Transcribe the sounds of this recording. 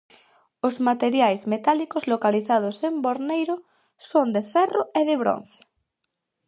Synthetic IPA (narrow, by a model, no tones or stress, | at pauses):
ozmat̪eɾjajzmet̪alikozlokaliθað̞osemboɾnejɾo | sond̪efɛroeð̞eβ̞ɾo̰n̟θe̥